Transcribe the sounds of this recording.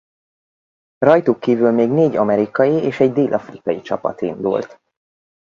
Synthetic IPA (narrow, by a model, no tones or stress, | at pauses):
rɒjt̪ukːiːvylmeːɡneːɟɒmɛɾikɒjieːʃɛɟd̪eːlʔɒfrikɒjit͡ʃɒpɒ̰t̪ḭnd̪ṵlt̪